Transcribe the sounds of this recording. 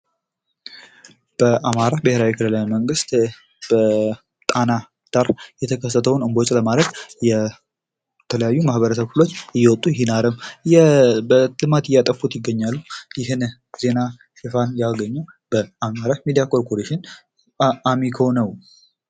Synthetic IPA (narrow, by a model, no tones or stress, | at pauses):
b̥əʔamaɾabɪheɾawikʰɨlɨlajməŋɡɨst̪ | b̥ə | t̪ʼana | d̪̥aɾjɛt̪ʰəkʰəs̬ːət̪ʰəwnɨmbo̞t͡ʃʼləmalət̪jɛ | t̪ʰələjajːumahbəɾəsəbfulo̞t͡ʃːɨjːɛwɔt̪ʼːujɪɦinaɾəm | bət̪ʰlmat̪ɪjat̪ʼəfut̪jɪɡːəɲːalːujɪɦɨn | ze̞na | ʃɪfanjaɡəɲːuw | b̥əamaɾamid̪ijakoɾkoɾeʃɪn | amikʰonəw